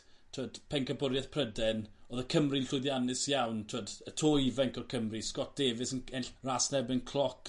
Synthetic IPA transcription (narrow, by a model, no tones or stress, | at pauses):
tʰwəːd̥pʰɛnkʰəbʊɾjɛθpʰrədɛnoːðəkʰəmrɨnɬʊjðjanɨsjawntʰwəːdətʰojvɛŋkʰɔrkʰəmriskɔt̚d̥eːvɨsənɛnɬraːsnɛbɪnkʰlˠɔk